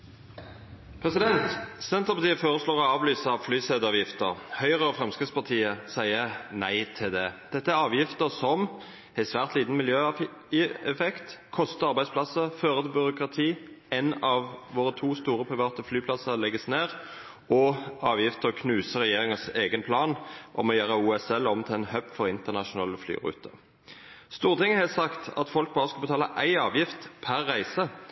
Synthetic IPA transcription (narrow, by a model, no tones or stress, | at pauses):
pʰʁɛsɪd̪ɛnt̪sɛnt̪əpɑt̪iːəfoːʁəsloːʁɔɑːʋlyːsəɑʋflyːseːd̪ɑːʋjɪft̪əʁhœʏʁəɔfʁɛmskəspɑʁt̪ʰiːəsæɪənæɪt̪ʰɪld̪ɛd̪̥ɛt̪ːəæʁɑːʋjɪft̪əsɔm | æɪsʋæːʁt̪liːt̪n̩mɪljøː | ɛfɛkt̪kʰɔst̪əɑɾʁbæɪd̪spʰlɑsəføːʁət̪ʰɪlbʏʁʊkʁɑt̪ʰiː | ɛnɑʋʋoːʁət̪ʰuːst̪uːʁəpʰʁɪʋɑːt̪əflyːpʰlɑsəʁlɛɡəsneːʁ | ɔɑːʋjɪft̪əkʰnʉːsəʁɛjeːʁɪŋəseːɡənpʰlɑːnʔɔ̰mɔjøːʁəuːɛsɛlɔmt̪ʰɪlɛnhœpfɔʁɪnt̪əʁnɑʂʊnɑːləfly̰ːʁʉ̰ːt̪ʰə | st̪uːʁt̪ʰɪŋːəhɛsɑkt̪ɑ̰t̪fɔlk̚bɑːʁəskɑlbət̪ʰɑːləʔæɪɑːʋjɪft̪pʰæʁːæɪsə